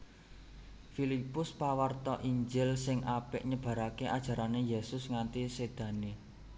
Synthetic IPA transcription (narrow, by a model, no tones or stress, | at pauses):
filipʊspawərt̪ɔʔiɲd͡ʒɪlsɪŋapɪʔɲəb̥ä̤ɾakeʔad̥ʒ̥a̤ɾanejesʊsŋant̪ised̪̥ä̤ne